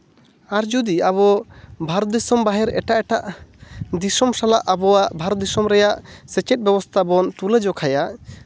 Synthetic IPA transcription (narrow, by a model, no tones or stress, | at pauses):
aɾd͡ʒud̪iaβɔbʱaɾɔt̪̚d̪isɔmbaɦɛɾɛʈaʔɛʈaʔ | d̪isɔmsalaʔabɔwaʔbʱaɾɔt̪̚d̪isɔmɾɛjaʔsɛt͡ʃɛt̪̚bɛbɔst̪ʰabɔnt̪ulɛd͡ʒɔkʰajaʔ